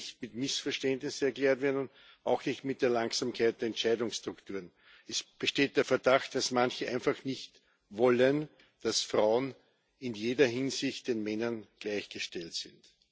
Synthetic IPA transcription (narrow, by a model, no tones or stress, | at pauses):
çtmɪtmɪsfɛɐʃtɛndnɪsɛɐkleːɐtv̥eːɐnʊnd | ɑʊxnɪçtmɪt̚d̥eːɐlaŋksaːmkʰaɪtd̥eɐɛnt͡ʃæɪdʊŋsʃtʁ̥ʊktuːɐn | ɛsb̥əʃteːt̚d̥eːɐfɛɐdaxt̚d̥asmançəʔæ̃ɪnfaxnɪçt | vɔlən | d̥asfʁaʊən | ɪnjeːdɐɦɪnzɪçt̚d̥eːnmɛnɐnɡ̥læɪçɡ̥əʃtɛltsɪnt